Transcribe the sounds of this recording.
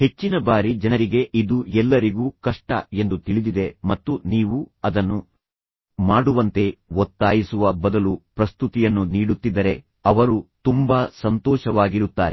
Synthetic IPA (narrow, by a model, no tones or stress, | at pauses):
he̞t͡ʃːinɐbaːɾid͡ʒɐnɐɾiɡe̞ʔid̪uɛlːɐɾiɡuːkɐʂʈɐ̰e̞nd̪ut̪iɭid̪id̪e̞mɐt̪ːuniːʋuɐd̪ɐnːu | maːɽuʋɐnt̪e̞ot̪ːaːjisuʋɐbɐd̪ɐlupɾɐst̪ut̪ijɐnːuniːɽut̪ːid̪ːɐɾe̞ | ɐʋɐɾut̪umbɐsɐnt̪ɔːʃɐʋaːɡiɾut̪ːaːɾe